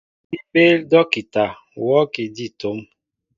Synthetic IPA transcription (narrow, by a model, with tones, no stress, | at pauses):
i˦pe˦ldɔ˦ki˨ta˨ | wɔ˦ki˨di˦˨to˨˦m